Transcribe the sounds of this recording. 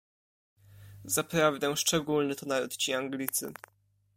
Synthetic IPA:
zapɾavd̪ɛʂt͡ʂɛɡulnɘt̪ɔnaɾut̪t͡ɕiaŋɡlʲit̪sɘ̰

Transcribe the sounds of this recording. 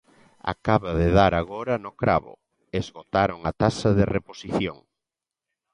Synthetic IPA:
a̰kaβaðeðaɾaɣoɾanokɾa̰βʊ̰ | ezɣot̪aɾoŋat̪asɐðereposiθjo̰ŋ

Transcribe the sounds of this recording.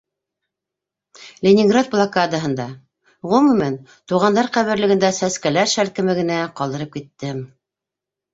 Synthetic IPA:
lʲɪnʲɪŋɡrat̪̚blˠɑkad̪əɦɤ̆nd̪ɑ | ʁumɘ̆mænt̪uʁɑnd̪ɑɾqæβɘ̆ɾlɘ̆ɡɘ̆nd̪æsæskælæɾʃælkɘ̆mɘ̆ɡɘ̆næqɑlˠd̪ɤ̆ɾɤp̚kit̪ːɘm

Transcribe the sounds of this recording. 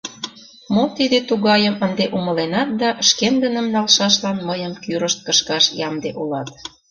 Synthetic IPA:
mot̪id̪et̪uɣɑjəmənd̪eʔumə̆lenɑt̪̚d̪ɑəʃkend̪ənəmnɑlʃɑʃlɑnməjəmkyɾəʃt̪̚kəʃkɑʃjɑmd̪eʔulɑt̪̚

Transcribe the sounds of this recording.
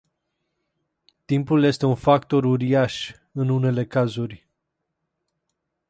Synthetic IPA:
t̪impulje̞st̪e̞unfakt̪o̞ɾuɾiaʃ | ɨnune̞le̞kazurʲ

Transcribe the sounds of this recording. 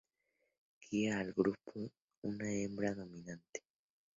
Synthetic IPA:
kʰiaːlɡɾupʰo | unaembɾaðomĩnant̪e̥

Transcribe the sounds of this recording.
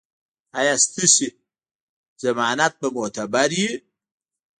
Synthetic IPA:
ajast̪ɨsi | z̥ɐmaːnat̪̚bɐmot̪ʰɐbaɾi

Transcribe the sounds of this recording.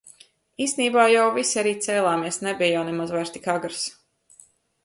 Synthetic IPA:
iːst̪eniːbaːjawvisʲaɾiːt̪sɛːlˠaːmiɛsnɛbʲijjawnɛmazvajɾst̪ikaɡɾs

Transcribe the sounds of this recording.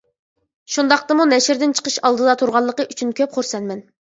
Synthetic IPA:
ʃund̪ɑqt̪ɨmunɛʃɾd̪ɪnt͡ʃʰə̥qʰəʃɑlˠd̪ɨd̪ɑt̪ʰuɾʁɑlˠːəqəʔyt͡ʃʰynkʲʰøp̚χoɾsɛnmɛn

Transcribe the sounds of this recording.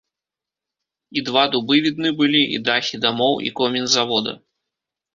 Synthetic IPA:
id̪vad̪ubɨvʲid̪̚nɨbɨlʲiʔḭd̪axʲid̪amɔwḭkɔmʲinzavɔd̪ɐ̰

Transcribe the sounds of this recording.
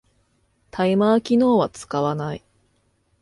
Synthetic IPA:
t̪ʰaimaːkʲino̞ːβat͡sɨ̥kaβanai

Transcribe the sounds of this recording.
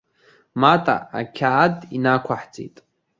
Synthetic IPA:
matʼa̰a̰kʲʰaːdinakʷʰaħt͡sʼḛjtʼ

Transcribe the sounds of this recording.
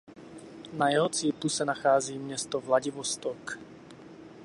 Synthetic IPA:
najɛɦɔt͡siːklusanaxaːd͡ziːmɲɛst̪ɔvlaɟiʋɔst̪ɔk

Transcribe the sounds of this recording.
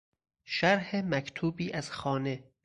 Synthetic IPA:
ʃæɾhemækʰt̪ʰuːbiːʔæz̥xɒːne̞

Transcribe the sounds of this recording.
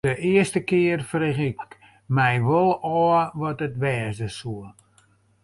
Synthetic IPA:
əʔɪəstəkɪərfrexɪk | mɛjʋolˠɔːʋɔtətʋɛːzdəsuə

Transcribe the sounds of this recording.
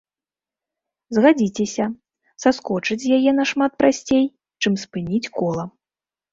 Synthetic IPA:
zɣad͡zʲit͡sʲɛsʲɐ | saskɔt͡ʂɨt͡sʲjajɛnɐʂmat̪̚pɾasʲt͡sʲej | t͡ʂɨmspɨnʲit͡sʲkɔlˠɐ

